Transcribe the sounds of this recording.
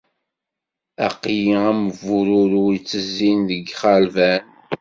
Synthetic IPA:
æ̰qjiæməvʊɾʊɾuit͡sːəzːinðəɡχaɾvæn

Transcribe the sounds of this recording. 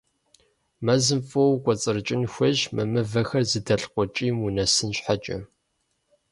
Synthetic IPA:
mɐzɨmfʼowkʷʼɔt͡sʼɨrɨt͡ʃʼɪnxʷɐʒmɨmɨvɐxɐrzɨdɐɬqʷɔt͡ʃʼiːmunɐsɨnɕħat͡ʃʼɐ

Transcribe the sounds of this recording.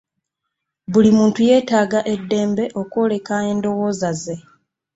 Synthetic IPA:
βulimuːntuje̞ːtaːɡaʔe̞dːe̞ːmbe̞ʔo̞ko̞le̞kae̞ːndo̞wo̞ːzaze̞

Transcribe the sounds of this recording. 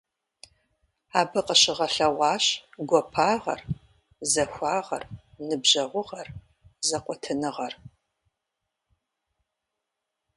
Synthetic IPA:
aːbɨqəɕɪʁɐɬɐʁʷɑːɕɡʷɔpʰaːʁɐ̰r | zɐxʷaːʁɐ̰r | nɨbʑɐʁʷʊʁɐr | zɐqʷʼɔtʰɨnɨʁɐr

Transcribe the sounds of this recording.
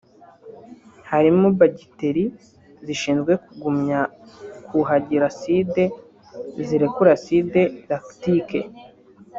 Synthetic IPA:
haɾimubaɟiteɾi | ziʃiːnzɡwe̞kuɡumɲakʰuɦaɟiɾaside̞ | ziɾekuɾaside̞ɾaktike

